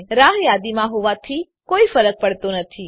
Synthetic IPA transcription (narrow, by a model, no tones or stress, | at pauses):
ɾaɦjad̪imãɦoʋat̪ʰi | koifəɾək̚pəɽt̪onət̪ʰi